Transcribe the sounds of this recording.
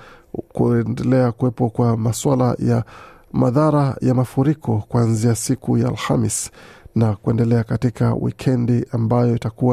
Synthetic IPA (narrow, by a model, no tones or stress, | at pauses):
kuɛndɛlɛakuɛpɔkwamaswalaja | ma̰ðaɾajamafuɾikʰɔkuanziasikuja̰ːlha̰misnakuɛndɛlɛakatikʰa̰wḭkʰɛndiʔambajɔitakuwa